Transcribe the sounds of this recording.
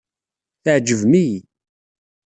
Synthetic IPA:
θəʕd͡ʒəvmij

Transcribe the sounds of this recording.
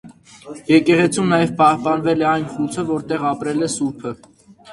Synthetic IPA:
jɛkɛʁɛt͡sʰumnɑjɛvpɑhpɑnvɛlɛɑjnχut͡sʰəvɔɾt̪ɛʁɑpɾɛlɛsupʰə

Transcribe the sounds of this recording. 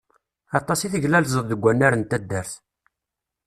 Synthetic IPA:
ɑt̪ˤːɑsiθəʝlælzˤəððəɡʷːænːæɾənt̪æd̪ːəɾθ

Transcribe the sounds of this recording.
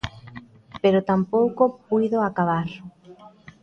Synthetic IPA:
peɾot̪ampowkopujðoakaβaɾ

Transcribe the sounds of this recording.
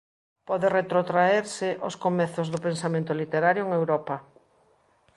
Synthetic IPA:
pɔðeret̪ɾot̪ɾaeɾsɪʔoskomɛθozðʊpẽnsamẽnt̪olit̪eɾaɾjoeŋewɾɔpɐ

